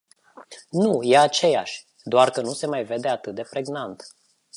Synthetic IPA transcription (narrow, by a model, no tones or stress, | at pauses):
nujeat͡ʃe̞ja̰ʃʲ | d̪oarkənuse̞majve̞d̪e̞at̪ɨt̪̚d̪e̞pɾe̞ɡnant̪